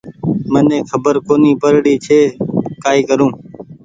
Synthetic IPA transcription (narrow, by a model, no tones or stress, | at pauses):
mənẽːkʰəbəɾkoːniːpəɾɽiːt͡ʃʰeːkaːiːkəɾũː